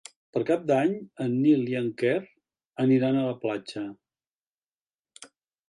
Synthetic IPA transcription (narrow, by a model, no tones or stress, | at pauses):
pəɾkap̚d̪aɲənːilˠiəŋkɛr | əniɾanələplat͡ʃə